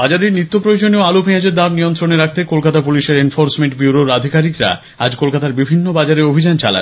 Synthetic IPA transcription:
bad͡ʑaɾeɾnit̪ːopɾood͡ʑoneoalopiɦad͡ʑeɾd̪amniont̪ɾoneɾak̚ʰt̪ekolkat̪apuliʃeɾenfoɾsmeɳʈbjuɾoɾad̪ʱikaɾikɾa̰ | ad͡ʑkolkat̪aɾbibʱinːobad͡ʑaɾeobʱid͡ʑant͡ɕa̰la̰

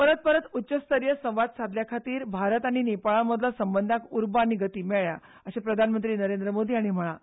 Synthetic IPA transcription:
pəɾət̪̚pəɾət̪utːɕəst̪əɾjəsə̃w̃ʋad̪sad̪ljakʰat̪iːɾbʱaɾət̪aɽ̃inepaɭaməd̪lasəmbənd̪ʱakuɾbñiɡət̪iːmɛɭja | əɕepɾəd̪ʱanmənt̪ɾiːnəɾend̪ɾəmod̪ʱiːaɽ̃im̤əɭ̃a

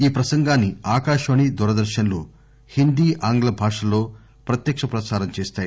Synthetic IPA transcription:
iːpɾɐsɐŋɡaːnːiaːkaːʂɐʋɐɳid̪uɾɐd̪ɐɾʃɐnlo̰ː | hind̪iːʔaːŋɡlɐbʱaːʂɐlo̞ː | pɾɐt̪jɐkʂɐpɾɐsaːɾɐmt͡ʃeːst̪aːji

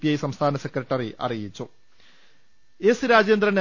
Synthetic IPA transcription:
pijɐjsɐmst̪ʰaːnɐsekrɐʈːɐriʔɐ̰rijit͡ɕːu | esɨɾaːd͡ʑeːnd̪rɐne

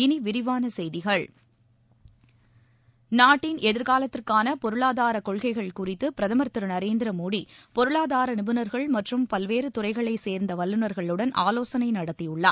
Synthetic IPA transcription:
ɪniʋɪɾɪʋaːnɐsɛjðɪɣɐɭ | naːʈːɪnʔɛðɪɾkaːlɐt̪ːɪrkaːnɐpɔɾɯɭaːðaːɾɐkɔɭɣɐɪɣɐɭkʊrɪt̪ːɯpɪɾɐðɐmɐɾt̪ɯɾɐnɐɾeːnd̪ɪɾɐmoːɽipɔɾɯɭaːðaːɾɐnɪbɯnɐɾɣɐɭmɐʈrɯmpɐlʋeːɾɯt̪ʊrɐɪɣɐɭɐɪseːɾnd̪ɐʋɐlːɯnɐɾɣɐɭɯɽɐnʔaːloːsɐnɐɪnɐɽɐt̪ːijɯɭːɐ̰ː

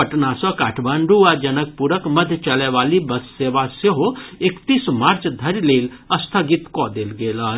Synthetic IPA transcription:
pəʈnasɔ̃kaːʈʰbaɳɖuad͡ʒənək̚puɾəkməd̪ʱjt͡ʃəlɛʋalibəsːeʋaseɦoekt̪ismaɾt͡ʃd̪ʱəɾleləst̪ʰəɡit̪kɔd̪elɡela

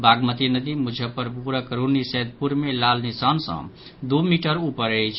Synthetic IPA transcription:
baɡmət̪inəd̪imud͡ʒʱəpəɾpuɾakəɾunnisɛd̪̚puɾmelalnisansə̰̃ | d̪umiʈəɾupəɾət͡ʃʰ

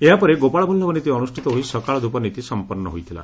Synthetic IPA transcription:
eɦapɔɾeɡopaɭɔbʱulːɔbɔnit̪iɔnusʈʰit̪ɔɦoisɔkaɭɔd̪upɔnit̪isɔmpɔɾnɔ̰ɦojt̪ʰila̰

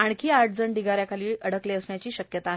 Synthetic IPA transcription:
aɳkʰiːaɾʈ̚d͡zəɳɖiɡaɾjakʰaliːəɽ̤əkleəsɳjat͡ɕiːɕəkjət̪a

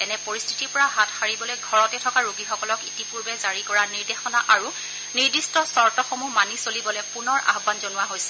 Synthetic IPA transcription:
tɛnɛpoɹistʰi̥tiɹpɔɹaɦatʰxaɹibɔlojɡʱɔɹɔtɛtʰɔkaɹuɡixɔkɔlɔkitipuɹbɛzaɹikɔɹaniɹdexɔnaʔaɹu | niɹdistɔsɔɹtɔxomumanisolibɔlɛpunɔɹa̰xbanzonʊwaɦojsɛ̥

